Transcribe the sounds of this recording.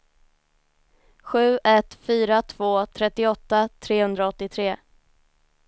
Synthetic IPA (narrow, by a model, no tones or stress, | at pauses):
ɧʉ̟ːʔɛt̪fyːɾat̪ʰv̥oːt̪ʰɾɛt̪ːɪɔt̪ːat̪ʰɾeːhɵnd̪ɾaɔt̪ːɪt̪ʰɾeː